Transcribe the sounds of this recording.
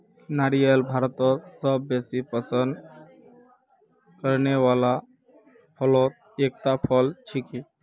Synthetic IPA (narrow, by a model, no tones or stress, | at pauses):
naɾijelbʱaɾət̪ɔsəbːesipəsənd̪ | kəɾneʋala | pʰəlot̪̚ | ek̚t̪apʰəlt͡ʃʰiki